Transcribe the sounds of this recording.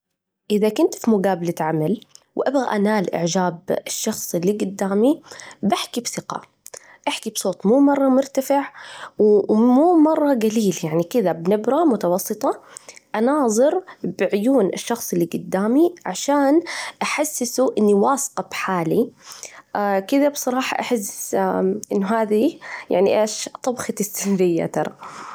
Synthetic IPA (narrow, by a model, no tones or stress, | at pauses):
ʔɪðakʊnt̪fimʊɡaːbalaʕamalwʔabɣaʔanaːlʔɪ̰ʕd͡ʒaːbɪʃːɑxsˤɪlːiɡʊd̪ːaːmibaħkibsɪqɑ̰ | ʔaħkibsˤoːt̪ˤmuːmɑrˤːɑmʊɾt̪afɪʕwmuːmɑrˤːɑɡaliːljaʕnikɪðabnɪbɾɑmʊt̪ɑwɑsˤːɨt̪ˤɑʔanɑːðˤɨɾbɪʕʊjuːnʔɪ̰ʃːɑxsˤɪlːiɡʊd̪ːaːmiʕaʃaːnʔaħasːɪsuʔɪnːiwɑːsqɑbħaːli | akɪðabsˤɑɾˤɑːħɑ̰ʔaħɪs | ʔɪ̰nːʊɦaːðija̰ʕniʔeːʃt̪ˤɑbxɑt̪ɪsːɪnɾɪjːa̰t̪ɑɾˤɑ̰